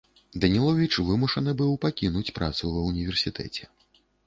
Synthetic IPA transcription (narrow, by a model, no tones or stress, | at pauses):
d̪ɐnʲilˠɔvʲit͡ʂvɨmuʂɐnɨbɨwpakʲinut͡sʲpɾʔa̰t̪suvɐwnʲivʲɛrsʲit̪ʰɛ̰t͡sʲɛ